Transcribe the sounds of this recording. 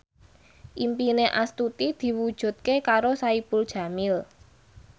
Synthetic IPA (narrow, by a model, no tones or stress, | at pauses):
ʔimpineʔast̪ut̪id̪̥i̤wud̥ʒ̥ṳt̪̚kekaɾosaipʊld̥ʒ̥ä̤mɪl